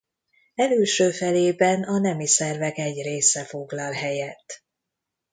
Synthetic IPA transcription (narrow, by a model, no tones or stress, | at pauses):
ɛlylʃøːfɛleːbɛnɒnɛmisɛrvɛɡɛɟreːsɛfo̞ɡlɒlɦɛjɛt̪ː